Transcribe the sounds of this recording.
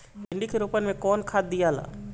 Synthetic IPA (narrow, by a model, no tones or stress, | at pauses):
ɪ̃ɳɖikeɾoːpənmẽkɔːnkʰaːd̪̚d̪ijaːla̰ː